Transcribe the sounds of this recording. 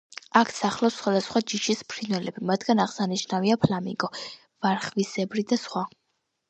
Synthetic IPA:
akʰsaχlˠasχwad̪asχwad͡ʒiʃispʰɾinwɛlɛbimat̪ʰɡ̥anaʁsaniʃnaviapʰlamḭkʼɔ | vaɾχvisɛbɾid̪asχwa

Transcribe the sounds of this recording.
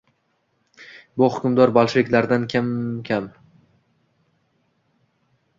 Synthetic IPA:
bʊhʊkʰʲʊmd̪ɒɾbalˠʃɪvɪkʲlaɾd̪ankʲʰamkʲʰam

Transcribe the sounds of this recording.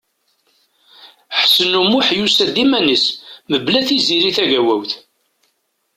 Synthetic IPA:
ħsənumuħjusæðimænəsməblæθiziɾiθæʝæwæwθ

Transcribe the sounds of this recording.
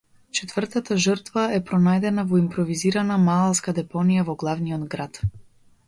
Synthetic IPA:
t͡ʃɛt̪vərt̪at̪aʒərt̪vaɛpɾɔnajd̪ɛnavɔimpɾɔviziɾanamalˠaskad̪ɛpɔnijavɔɡlˠavniɔd̪ɡɾat̪

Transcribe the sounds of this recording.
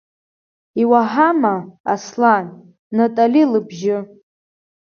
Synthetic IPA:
iwaħamaa̰slan | natʼalilɨbʒɪ

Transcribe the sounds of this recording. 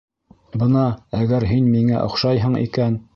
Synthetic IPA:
bɤnɑæɡæɾɦinmiŋæ̰ʔŏ̰χʃɑjɦɤɴḭkæn

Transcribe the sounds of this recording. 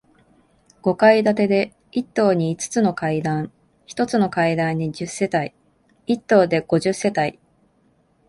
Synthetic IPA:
ɡ̥o̞kaid̪at̪e̞d̪e̞ | it̪ːo̞ːɲ̟iːt͡sɨ̥t͡sɨno̞kaid̪ãɰ̃ | çi̥t̪o̞t͡sɨno̞kaid̪ãɲ̟ːid͡ʑɨsːe̞t̪ai | it̪ːo̞ːd̪e̞ɡ̥o̞ʑɨsːe̞t̪ai

